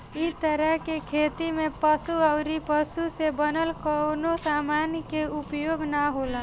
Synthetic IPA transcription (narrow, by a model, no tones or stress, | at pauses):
it̪əɾəɦkekʰet̪imepəsuaʊɾipəsusebənəlkənosamankeupjoːɡnaɦola